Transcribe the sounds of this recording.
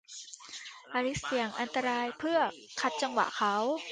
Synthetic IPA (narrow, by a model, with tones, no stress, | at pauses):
ʔaː˧li˦˥s̚si˨˩˦əŋʔa˧nt̪a˧ɾaː˧jpʰɯ˥˩ɐ | kʰa˦˥t̪̚t͡ɕa˧ŋwa̰˨˩ʔkʰa˦˥w